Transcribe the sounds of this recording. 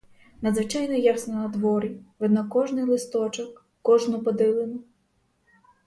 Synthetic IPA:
nɐd̪zʋɪt͡ʃajnɔjasnɔnɐd̪ʋɔɾʲiʋɛd̪nɔkːɔʒnɪjlˠɪst̪ɔt͡ʃɔkː | ɔʒnʊpɔd̪ɪlˠenʊ

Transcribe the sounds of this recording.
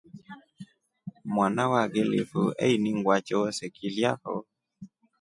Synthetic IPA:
mwanawaɡelḛfoɛ̰iniŋɡwat͡ʃɔɔsɛkʰiljahɔ̰

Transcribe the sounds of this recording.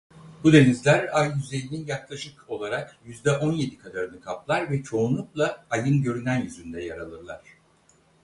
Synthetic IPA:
bud̪e̞nizlʲæɾajːyze̞jinʲinjaklˠaʃɯko̞lˠaɾakjyzd̪ɛʔo̞nje̞d̪ikʰad̪aɾɯnɯkʰaplˠaɾvɛt͡ʃʰo̞unlˠuklˠaːjɯnɟø̞ɾynænjyzynd̪ɛjaɾalˠɯɾlˠaɾ̥

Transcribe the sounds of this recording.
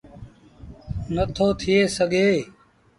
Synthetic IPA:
nət̪ʰoːt̪ʰɪjeːsəɡʱeː

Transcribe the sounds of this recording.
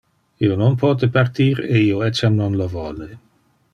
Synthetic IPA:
iːononpʰɔt̪epart̪iːɾeiːoɛt͡ʃamnonlovɔːle

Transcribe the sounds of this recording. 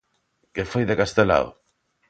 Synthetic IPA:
kefojðekast̪ela̰o̰

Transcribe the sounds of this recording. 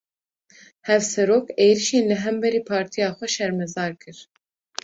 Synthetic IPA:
hɛvsɛɾoːkeːɾiʃeːnlɨɦɛmbɛɾiːpʰɑːɾt̪ʰijɑːxʷɛʃɛɾmɛzɑːɾkʰɨɾ

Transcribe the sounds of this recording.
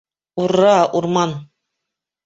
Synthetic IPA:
uɾːɑʔuɾmɑn

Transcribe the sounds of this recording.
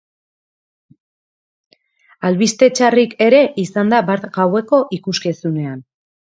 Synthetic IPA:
alβist̪e̞t͡ʃarike̞ɾe̞ʔisand̪abaɾt̪ɡawe̞ko̞ʔikuske̞sune̞an

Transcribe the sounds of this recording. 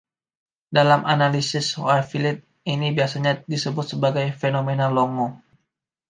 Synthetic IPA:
dalamʔanalisɪshoarfilɪt̪̚ | inibiasaɲadisəbʊt̪̚səbaɡajfenomenalɔŋɔ

